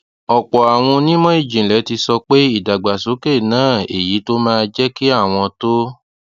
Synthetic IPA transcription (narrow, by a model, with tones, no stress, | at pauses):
ɔ˨k͡pɔ˨a˨w̃ɔ̃˧nĩ˦mɔ̃˦i˦˨d͡ʒĩ˨lɛ˨˦ti˧sɔ˧k͡pe˦i˦˨da˨ɡ͡ba˨so˨˦ke˦˨nãː˦˨e˨ji˨˦to˦mãː˦˧d͡ʒɛ˦ki˦a˦˨w̃ɔ̃˧to˦